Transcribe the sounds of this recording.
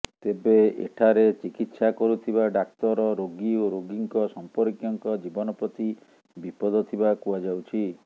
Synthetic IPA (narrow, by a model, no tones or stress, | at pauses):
t̪ebeḛʈʰaɾet͡ʃikit̪sakɔɾut̪ʰibaɖak̚t̪ɔɾɔɾoɡioɾoɡiŋkɔsɔmpɔɾkjɔŋkɔd͡ʒibɔnɔpɾɔt̪i | bipɔd̪ɔt̪ʰibakuad͡ʒawt͡ʃʰi